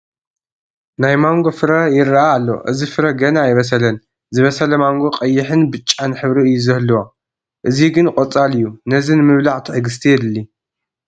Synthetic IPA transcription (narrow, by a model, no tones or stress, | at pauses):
najmaŋɡo̞fɨɾɐjɪɾaʔaːlːo̞̰ʔɨ̰zifɨɾɐɡɐnaːjβɐs̬ɐlɐn | zɨβɐsɐlɐmaŋɡo̞qʼɐjːɪħɨnbɨt͡ʃʼːanħɨβɾiɨjːuzɐhlːuwo | ʔɨziɡɨnkʼot͡sʼalɨjːunɐzinɨmɨβlaʕt̪ʰiħɨɡɨs̬t̪ʰijɛd̪ɨlːi